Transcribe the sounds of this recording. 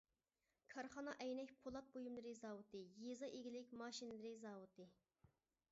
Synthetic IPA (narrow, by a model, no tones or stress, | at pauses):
kʰɑɾχɑnɑʔɛjnɛkʲpʰolˠɑp̪̚bojumlˠɨɾɨzɑːwut̪ɨjezɑʔeɡʲilɪkʲmɑːʃinlɨɾɨzɑːwut̪ʰɨ